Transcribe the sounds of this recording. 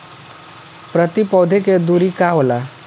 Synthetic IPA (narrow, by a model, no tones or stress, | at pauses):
pɾət̪ipɔd̪ʱeked̪uɾikaɦola